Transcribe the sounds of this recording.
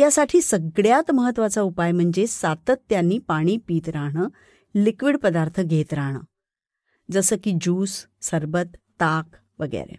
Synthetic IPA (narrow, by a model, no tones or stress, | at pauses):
jasaʈʰiːsəɡɭjat̪məɦət̪ːʋat͡saupajm̤əɳd͡zesat̪ət̪ːjanːiːpaɽ̃iːpiːt̪ɾaɽ̃əː | likʋiɽpəd̪aɾt̪ʰəɡʱet̪ɾaɽ̃ə̰ː | d͡zəsəːkiːd͡ʑuːsːəɾbət̪ːak | ʋəɡḛɾḛ